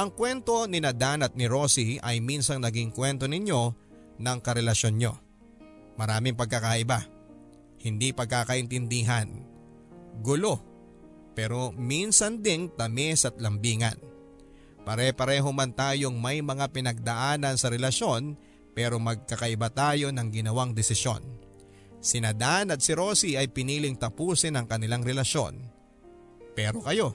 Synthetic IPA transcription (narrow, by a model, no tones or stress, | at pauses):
ʔɐŋkwɛnt̪o̞nɪnɐd̪anɐt̪̚nɪɾo̞ːsiʔɐjminsɐŋnɐɡiŋkwɛnt̪o̞nɪɲjo̞ | nɐŋkɐɾɛlɐʃo̞nɲo̞̰ | mɐɾaːmɪŋpɐɡ̚kːɐkaʔɪba | hɪnd̪ipɐɡ̚kakɐʔɪnt̪ɪnd̪iːɦɐn | ɡʊlo̞ | pɛːɾo̞minsɐnd̪ɪnt̪ɐmɛsɐt̪̚lɐmbiːŋɐ̰n | pɐɾɛpɐɾɛːɦomant̪aːjo̞ŋmɐjmɐŋapɪnɐɡ̚d̪ɐʔaːnɐnsɐɾɛlɐʃo̞n | pɛːɾo̞mɐɡ̚kɐkɐʔɪbat̪aːjo̞nɐŋɡɪnɐwaŋd̪ɛsɪʃjo̞̰n | sɪnɐd̪anɐt̪̚sɪɾoːsiɐjpɪniːlɪŋt̪ɐpuːsɪnɐŋkɐnɪlaŋɾɛlɐʃo̞̰n | pɛːɾo̞kɐjo̞